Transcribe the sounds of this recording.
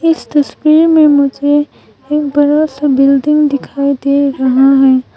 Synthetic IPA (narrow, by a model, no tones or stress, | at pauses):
ɪst̪ɐswiːɾmẽmʊd͡ʒʱeː | kbɐɾasbɪld̪ɪ̃ŋɡd̪ɪkʰaːid̪eɾɐɦaɦɛː